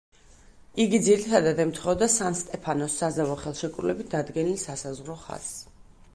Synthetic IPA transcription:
iɡid̪ziɾit̪ʰad̪ad̪ɛmt̪ʰχɔvd̪asanst̪ʼɛpʰanɔsːazavɔχɛlˠʃɛkʼɾlɛbit̪̚ʰd̪ad̪ɡɛnilsasazʁɾɔχa̰s

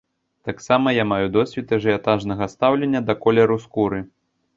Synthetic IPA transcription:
t̪aksamɐjamajud̪ɔsʲvʲit̪ɐʐɨat̪aʐnɐɣɐst̪awlʲenʲːɐd̪ɐkɔlʲɛɾuskuɾɨ

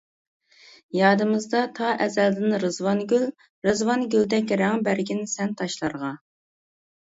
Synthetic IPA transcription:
jɑːd̪ɨmɨzd̪ɑt̪ʰɑʔɛzɛld̪ɪnɾɨzwɑnɡʲyl | ɾɨzwɑnɡʲyld̪ɛkʲɾæŋbæɾɡʲinɪsɛnt̪ʰɑʃlˠɑɾʁɑ

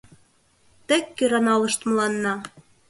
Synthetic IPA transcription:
t̪ĕkːøɾɑnɑlɤ̆ʃt̪mə̆lɑnːɑ

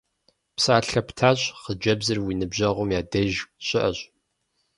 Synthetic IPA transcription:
psaːɬɐptʰaːɕʼχəd͡ʒɐbzɨrwiːnɨbʑɐʁʷʊmjaːdɐʒɕʼɪʔɐɕʼ

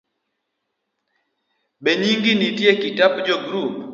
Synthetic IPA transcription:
beɲiŋɡinitjekitapd͡ʒɔɡɾup

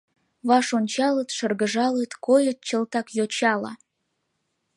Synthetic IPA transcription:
βɑʃonʲt͡ɕɑlət̪ʃə̆rɡə̆ʒɑlət̪kojə̆t̪̚t͡ɕə̆lt̪ɑkjot͡ɕɑlɑ̰

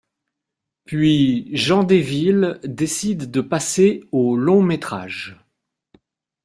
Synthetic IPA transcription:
pɥiʒɑ̃d̪evild̪esid̪ːəpaseolɔ̃met̪χa̰ʒ

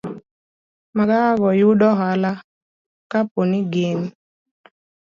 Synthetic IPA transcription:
maɡaɡɔjuɗɔɦala | kaponɪɡen

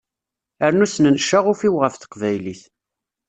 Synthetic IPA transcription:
əɾnusnənʃaʁʊfiwʁəfθə̥qvæjliθ

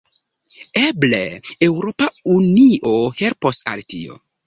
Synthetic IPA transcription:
eblḛewɾo̞pauniʔohe̞lposa̰ltḭo̰

